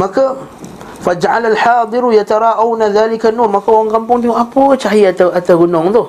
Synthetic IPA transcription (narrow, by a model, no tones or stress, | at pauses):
maka | fad͡ʒaʕalalħɑːd̪ˤɨɾjat̪aɾˤɑːʔawnaðaːlɪkanumakawaŋɡampuŋdiuapət͡ʃaɦiat̪aʔat̪aɣunoŋt̪oh